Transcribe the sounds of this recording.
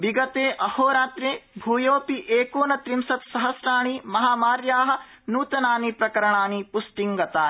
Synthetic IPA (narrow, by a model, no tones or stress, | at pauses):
biɡɐt̪eːʔɐhoːɾaːt̪ɾeːbʱuːjoːpiʔeːkoːnɐt̪ɾimsɐt̪sɐɦɐsɾaːɳ̃imɐɦaːmaːɾjaːɦɐ̆ | nuːt̪ɐnaːnipɾɐkɐɾɐɳaːnipusʈiŋɡɐt̪aː